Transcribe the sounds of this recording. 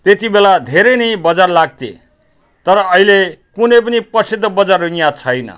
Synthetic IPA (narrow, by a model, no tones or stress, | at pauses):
t̪et̪ibelad̪ʱeɾʌjnʌjbʌd͡zarlaɡ̚t̪ḛ | t̪ʌɾʌːilekunʌjp̬ʌnipʌsid̪ʱːʌbʌd͡zarujjat͡sʰʌjnʌ̰